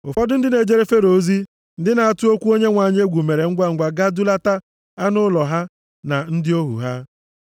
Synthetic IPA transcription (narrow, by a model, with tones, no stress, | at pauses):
ʊ˨fɔ˦dʊ˦n̩˦dɪ˦ne˨d͡ʒe˦ɾe˦fe˦ɾo˨˦zi˦ | n̩˦dɪ˦na˨a˨tʊ˦o˦kʷu˦o˦ɲe˦ŋʷa˨ɲ˦e˦ɡʷu˨me˨ɾe˨ŋ̩˦ɡʷa˦ŋ̩˦ɡʷa˨ɡa˦du˦la˦ta˦ | a˦nʊ˦lɔ˨ɦa˦ | na˨n̩˦dɪ˦o˦ɦṵ˨ɦa˦